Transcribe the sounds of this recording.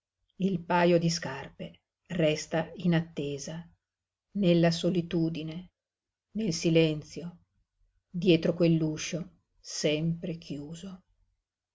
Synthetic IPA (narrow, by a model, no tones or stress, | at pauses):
ilpaːjod̪iskarpe | rɛst̪ainat̪ːeːza | nelːasolit̪uːd̪ine | nelsilɛnt̪sjo | d̪jɛːt̪ɾokwelːuːʃo | sɛmpɾekʰjuːzo